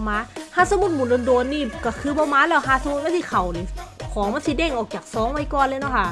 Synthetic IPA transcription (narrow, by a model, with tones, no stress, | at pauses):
maː˧˥haː˧˥˨sa˧mu˧t̪̚muː˨˩˦ndoː˧ndoː˧nːiː˧˩ka˧˩kʰɯː˧bɔː˧˦maː˧˥˨lɛː˧˥˩wɦaː˧˥˨sa˧mu˧t̪̚a˧nsʰi˧˩kʰa˨˩wni˧˨˩kʰɔː˨˦ma˧˥˨nsi˧˦dɛː˧˩ŋʔɔː˨˩k̚t͡ɕaː˨˩k̚sɔː˨˦ŋwa˧˩jkɔː˧˨nlɤː˧˨nɔ˧˩kʰa˧˩